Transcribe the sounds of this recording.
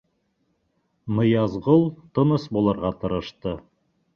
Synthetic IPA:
mɤ̆jɑzʁolˠt̪ɤ̆nɤsbulˠɑɾʁɑt̪ɤ̆ɾɤ̆ʃt̪ɤ

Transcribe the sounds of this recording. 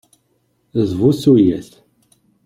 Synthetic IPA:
zˤvusujæθ

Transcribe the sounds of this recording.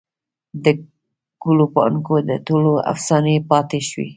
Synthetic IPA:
d̪ə | kulopɑ̰nkod̪ət̪oloa̰fsɑnəpɑt̪eʃwḭ

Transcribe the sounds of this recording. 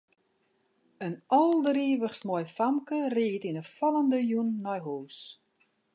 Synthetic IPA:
ənɔlˠdəriːʋəχsmɔjfamkəriːtinəfɔlˠəndəjunːɔjɦoːs

